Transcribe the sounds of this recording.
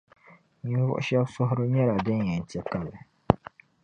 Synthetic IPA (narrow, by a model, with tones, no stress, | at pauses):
ɲĩ˦vʊ̰˦ʔʃa˦bsɔ˦ɦʊ˦ɾu˦ɲɛ˦ɾa˨dɛ˦˨ɛ˨n̩˨tɛ˦ka˦bɛ˨